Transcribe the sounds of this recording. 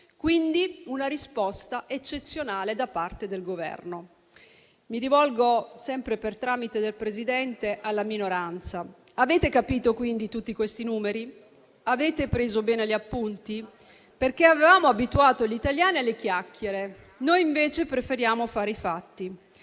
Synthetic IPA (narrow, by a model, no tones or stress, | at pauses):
kwind̪iunaɾispɔst̪aʔet͡ʃːet̪sːjonaːled̪apːart̪ed̪elɡovɛ̰rno | miɾivɔlɡosɛmpɾepert̪ɾaːmit̪ed̪elpɾezid̪ɛnt̪eʔalːaminoɾant̪sa | aveːt̪ekapiːt̪okwind̪it̪ut̪ːikwest̪inuːmeɾi | aveːt̪epɾeːzobɛːneliapːunt̪i | perk̟eavevaːmoabit̪uaːt̪olit̪aljaːnialːek̟jakːjeɾe | nojiɱveːt͡ʃepɾefeɾjaːmofaːɾeifat̪ːi